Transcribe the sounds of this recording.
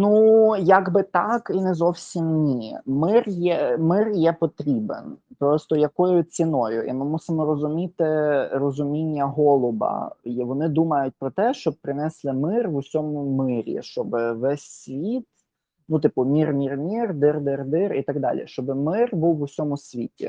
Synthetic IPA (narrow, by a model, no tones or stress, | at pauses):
nujɐɡbɪt̪ɑkinɛzɔwsʲimnʲimɪrjɛmɪrjɛpɔt̪ɾʲibḛnpɾɔst̪ɔjɐkɔjʊt͡sʲinɔjʊʔḭmɪmusɪmɔɾɔzʊmʲit̪ɪɾɔzʊmʲinʲːɐɦɔlˠɔbɐ̰ʋɔnɪd̪umɐjʊt̚ʲpɾɔt̪ɛʃt͡ʃɔb̚pɾɪnɛslˠɪmɪrʋʊsʲɔmʊmɪɾʲḭʃt͡ʃɔbɪʋɛsʲsʲʋʲit̪ | nut̪ɪpʊmʲirmʲirmʲird̪ɪrd̪ɪrd̪ɪrit̪ɐɡd̪ɑ̰lʲḭʃt͡ʃɔbɪmɪrbuwːʊsʲɔmʊsʲʋʲitʲḭ